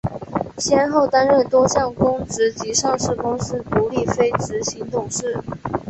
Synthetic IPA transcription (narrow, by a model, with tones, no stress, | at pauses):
ɕjɛ˥nxo˥˩ʊt̪a˥nɻə˥˩nt̪wɔ˥ɕjɑ˥˩ŋkʊ˥ŋt͡sɹ̩˧˥t͡ɕi˧˥ʂɑ˥˧ŋʂɻ̩˥˩kʊ˥ŋsɹ̩˥t̪u˨˧˥li˥˩fe˥ɪʈ͡ʂɻ̩˧˥ɕi˧˥ŋt̪ʊ˨˩ŋʂɻ̩˥˩